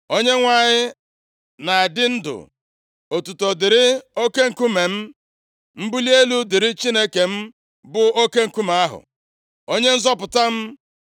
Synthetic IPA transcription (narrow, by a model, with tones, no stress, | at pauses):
o˦ɲe˦ŋʷa˨ɲɪ˦ | na˨a˨dɪ˦n̩˦dʊ̰˨ | o˨tu˨to˨dɪ˨ɾɪ˦o˦ke˦ŋ̩˨ku˦me˨m̩˦ | m̩˦bu˦li˦e˦lu˦dɪ˨ɾɪ˦t͡ʃi˦ne˦ke˨m̩˦ | bʊ˨o˦ke˦ŋ̩˨ku˦ma˨a˦ɦʊ̰˨ | o˦ɲe˦n̩˦zɔ˦pʊ˨ta˦m̩˦